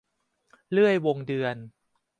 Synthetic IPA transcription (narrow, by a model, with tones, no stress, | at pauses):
lɯ˥˩əjwo˧ŋdɯ˧ən